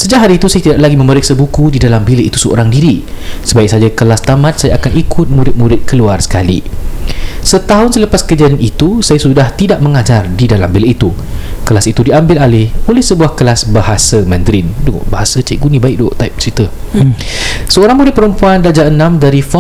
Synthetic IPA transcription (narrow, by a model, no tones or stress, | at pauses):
səd͡ʒaʔɦaɾiit̪usajat̪idaʔlaɡimə̃məɾɪk̚sabukudidalambiləʔit̪usəo̰ɾaŋdiɾisəbaɪk̚sad͡ʒakəlast̪amãt̪̚sajaʔːkanʔikʰʊt̪̚muɾɪt̪̚muɾɪt̪̚kəluarsə̥kalḭ | sət̪aɦʊnsələpaskəd͡ʒananit̪usajasudaht̪idaʔ̚məŋad͡ʒardidalambiliʔit̪u | kəlasit̪udiambɪlalɪholɛhsəbuahkəlasbaɦasəmɛ̃nd̪ɾɪndṵbaɦasat͡ʃaʔ̚ɡunĩbaɪk̚doʔt̪aɪp̚t͡ʃit̪ə | səoɾaŋmuɾɪt̪̚pəɾəmpuandad͡ʒaənãmdaɾifɔ